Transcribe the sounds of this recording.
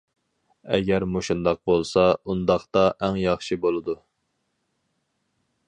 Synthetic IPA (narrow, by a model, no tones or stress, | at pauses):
ɛ̰ɡʲɛɾmoʃund̪ɑq̚bolˠsɑund̪ɑχt̪ɑʔæŋjɑχʃibolˠɨd̪u